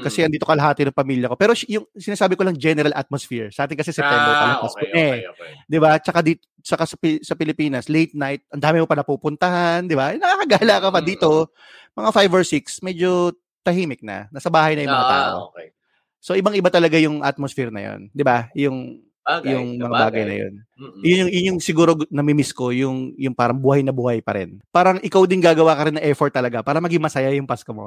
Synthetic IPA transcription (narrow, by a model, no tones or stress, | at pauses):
kɐsɛʔɐnd̪iːt̪okɐlɐɦaːt̪ɪnɐŋpɐmiːljɐko̞pɛːɾojʊŋsɪnaːsaːbɪko̞lɐŋd͡ʒɛnɛɾɐlʔa̰t̪̚mosfiɹsɐʔaːt̪ɪnkɐs̬ɛsɛp̪ɛɛɐlɐpasɛd̪ɪbat͡ʃɐkad̪iːt̪o | t͡ʃɐkasɐpsɐpɪlɪpiːnɐslejt̪̚najt̪̚ʔɐnd̪aːmɪmopɐnɐpupʊnt̪ɐhand̪ɪbanɐkakɐɡaːlɐkɐpɐd̪iːt̪o̞ | mɐŋafajvoɹsiksmɛd͡ʒo̞ | t̪ɐhiːmɪk̚nɐ̰nɐsɐbaːhɐjnɐjʊŋmɐŋat̪a̰ːʔo̰ | so̞ʔɪbaŋɪbat̪ɐlɐɡajʊŋʔa̰t̪̚mosfɛɾnɐ̰jo̰nd̪ɪbajʊŋ | jʊŋmɐŋabaːɡɐjnɐ̰jo̰n | jʊnjʊŋjʊnjʊŋsɪɡuːɾo̞nɐmɪmɪsko̞jʊŋjʊŋpaːɾɐŋbuhɐjnɐbuːhajpɐɾɪ̰npaːɾɐŋʔɪkawd̪ɪnɡaːɡɐwaːkɐɾɪnːɐŋʔɛɹfoɹt̪ːɐlɐɡapaːɾɐmɐɡɪŋmɐsɐjajʊŋpaskɐmo̞̰